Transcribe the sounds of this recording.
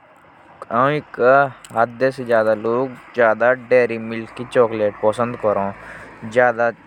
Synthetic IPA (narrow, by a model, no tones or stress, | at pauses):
ãɪkɦad̪esed͡ʒjaːd̪aloːɡd͡ʒjaːd̪aɖeːɾimɪlkːit͡ʃɔːkleːʈpəsə̃nd̪kəɾõːd͡ʒjaːd̪a